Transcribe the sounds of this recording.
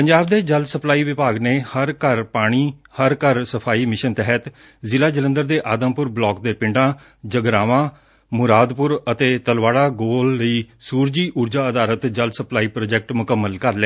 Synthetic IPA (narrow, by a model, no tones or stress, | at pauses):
pəɲd͡ʒaːb̚d̪eːd͡ʒəlsəplaːiːʋɪpaːɡneːhəɾkəɾpaːɽ̃iːhəɾkəɾsəpʰaːiːmɪʃənt̪ɛɦət̪ | zɪlaːd͡ʒələ̃nd̪əɾd̪eːʔaːd̪ə̃mpʊɾblɔːkd̪eːpɪɳɖãː | d͡ʒəɡɾaːʋãː | mʊɾaːd̪pʊɾət̪eːt̪əlʋaːɽaːɡoːlːəiːsuːɾd͡ʒiːʔuːɾd͡ʒaːəd̪aːlət̪d͡ʒəlsəplaːiːpɾoːd͡ʒɛk̚ʈmʊkəmːəlkəɾleɛː